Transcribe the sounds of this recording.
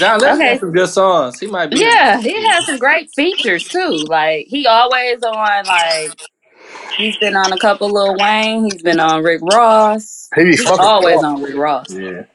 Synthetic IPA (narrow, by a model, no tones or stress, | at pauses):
d̥ãʊ̃nðoʊkeɪ̃md͡ʒʌssɔ̃z̥himaɪt̚bjæhiɨz̥sʌ̃mɡɹeɪtfit͡ʃə˞z̥tʰulaɪkhiɔlˠwizənlaɪk̚ | hizbɨ̃nə̃nəkʰʌpl̩ˠlɪɾl̩ˠwẽɪ̃ŋhizbɨ̃nə̃n̩ɹɪkɹɔsmeɪbiʌɔlˠwizn̩ɹɪkɹɔsæ